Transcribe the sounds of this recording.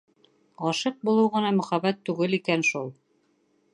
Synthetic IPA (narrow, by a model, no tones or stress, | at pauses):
ɑʃɤq̚bulˠɤwʁɤ̆nɑmɵ̆χæβæt̪ːʉɡɘlikænʃulˠ